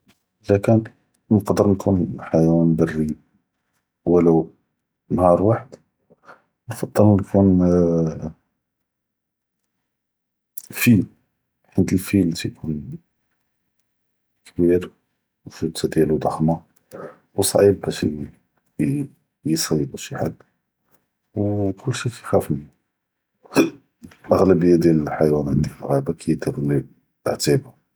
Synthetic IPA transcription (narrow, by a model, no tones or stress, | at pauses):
lækən | nəqd̪əɾnkʰunħajwænbərːi | wəlæ | nhɑɾˤwaħəd̪̥ | nfɑd̪ˤːəlnkʰun | fil | ħənd̪əlfilt̪ikʰun | kbiɾ | wfibt̪æd̪ælud̪ˤɑxmɑ | wsˤʕib̚bæʃ | jəsˤɑjːəbuʃiħa̰d̪ | wkʰʊlːʃifi̥xæfn | ʔəɣlæbəjːad̪jæləħɑjwænæt̪̚d̪əllɣæbakʰæjt̪əɾlḭ | ʕt̪iba